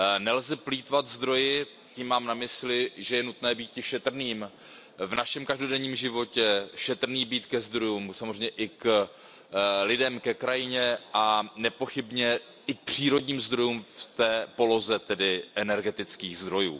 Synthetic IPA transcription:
nɛlzɛpliːt̪vat̪zd̪ɾo̞jɪ | ciːmːaːmnamɪslɪʒɛjɛnut̪nɛːbiːt̪̚cɪʃɛt̪r̩niːm | vnaʃɛmkaʒdo̞dɛɲiːmʒɪvo̞cɛʃɛt̪r̩niːbiːt̪kɛzd̪ɾo̞juːmsamozrɛjmɲɛʔɪk | lɪdɛmkɛkɾajɪɲɛʔanɛpo̞xɪbɲɛ | ɪk̚pr̥iːɾodɲiːmzd̪ɾo̞juːmft̪ɛːpo̞lo̞zɛt̪ɛdɪʔɛnɛɾɡɛt̪ɪt͡skiːɣzd̪ɾo̞jṵː

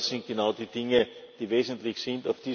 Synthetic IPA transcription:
sɪ̃nt̚ɡ̥ɪnaʊdiːd̥ɪŋəd̥iːveːzn̩tlɪçsĩndafd̥i

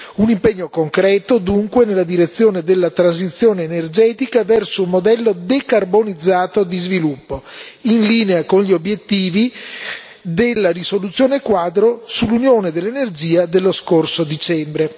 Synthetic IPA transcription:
unimpeɲːokoŋkɾɛːt̪od̪uŋkwenelːad̪iɾet̪sːjoːned̪elːat̪ɾanz̬it̪sːjoːneːnerd͡ʒɛːt̪ikavɛrsoumod̪ɛlːod̪ekarbonid̪zːaːt̪od̪izvilupːo | inliːneakonʎiobjet̪ːiːvi | d̪elːarisolut̪sːjoːnekwaːd̪ɾosulːunjoːned̪elːenerd͡ʒiːad̪elːoskorsod̪it͡ʃɛmbɾe

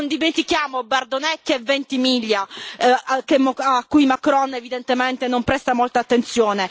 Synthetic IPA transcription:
ond̪iment̪ikjaːmobard̪onɛkːɛvːent̪imiʎːa | kemːkːujmakɾɔnevid̪ent̪emɛnt̪enompɾɛst̪amɔlt̪aːt̪ːent̪sjɔːne

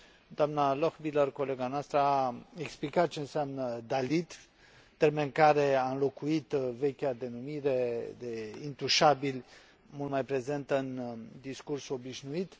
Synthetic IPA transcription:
d̪̥oamnaloxbilərko̞le̞ɡanoast̪ɾəaeksplikat̪̚t͡ʃe̞ɨnseamnəd̪alid̪ | t̪ːe̞rmenɨkaɾe̞aɨnlo̞kuit̪ve̞kʲad̪e̞numiɾe̞d̪e̞int̪uʃabilʲ | mult̪majpɾe̞ze̞nt̪əɨnd̪iskursuo̞biʃnuit̪

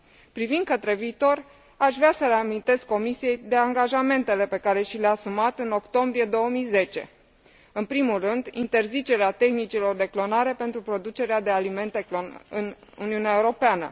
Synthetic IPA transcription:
pɾivind̪̚kət̪ɾe̞viːt̪o̞r | aʃvɾeasəɾeamint̪e̞skːo̞misije̞jd̪e̞aŋɡaʒame̞nt̪e̞le̞pe̞kaɾe̞ʃileaːsumat̪ɨno̞kt̪o̞mbɾije̞d̪o̞wəmijze̞t͡ʃe̞̰ | ɨnpɾimulrɨnd̪ḭnt̪e̞rzit͡ʃe̞ɾeat̪e̞xnit͡ʃilo̞rd̪e̞klo̞naɾe̞pe̞nt̪ɾupɾo̞d̪ut͡ʃe̞ɾead̪e̞alime̞nt̪e̞klonɨnṵniuneaeuɾo̞peanə̰

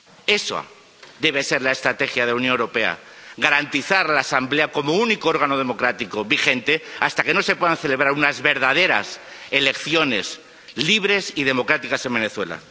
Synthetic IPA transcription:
e̞soa̰ | d̪e̞β̞e̞se̞ɾlae̞st̪ɾat̪e̞xjað̞elaunjonewɾope̞a̰ɣaɾant̪iθaɾlaːsamble̞ako̞mounikoo̞ɾɣ̞ano̞ðe̞mo̞kɾat̪ikoβixe̞nt̪e̞ast̪ake̞no̞se̞pwe̞ðanθe̞le̞βɾaɾunazβe̞ɾðað̞e̞ɾa̰s | ele̞kθjo̞ne̞s | liβ̞ɾe̞sið̞e̞mo̞kɾat̪ikase̞mbeneθwe̞̰la̰

